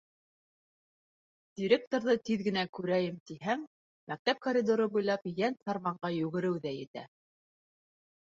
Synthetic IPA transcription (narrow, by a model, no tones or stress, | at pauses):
d̪̥ʲiɾʲek̚t̪oɾðɤt̪iðɡɘ̆nækʉɾæjɘmt̪iɦæŋ | mæk̚t̪æp̚koɾʲid̪oɾɤbujlˠɑpjænt̪ɑɾmɑɴɢɑjʉɡɘ̆ɾɘwðæjɘ̆t̪æ̰